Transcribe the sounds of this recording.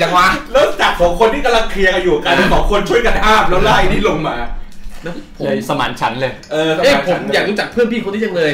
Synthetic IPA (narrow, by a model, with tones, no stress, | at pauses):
t͡ɕa˨˧˩wa˦˥lɯː˥˩t͡ɕa˨˩kʰːɔː˨˦ŋkʰo˧nt̪ʰi˥˩ka˧la˧˥˩ŋkʰli˧əka˧juː˨˩a˨˩ka˧naː˥˩kʰɔː˨˦ŋkʰo˧nt͡ɕʰu˥˩əjka˧nʔaː˥˩m̚lwlaː˥˩jnʰiː˥˩lo˧ŋmaː˧na˦˥pʰo˩˧˩sa˧ma̰ː˩˦nt͡ɕʰa˦˥nlɤː˧jʔɤː˧ʔeː˧˩˦pʰo˩˦mjaː˨˩k̚luː˦˥˩t͡ɕa˨˩k̚pʰɯ˥˩əpʰiː˥˩ko˧nt̪i˥˩t͡ɕa˧˩lɤː˧